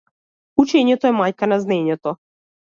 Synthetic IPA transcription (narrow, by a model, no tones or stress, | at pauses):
ut͡ʃɛɲɛt̪ɔɛmajkanaznɛɲɛt̪ɔ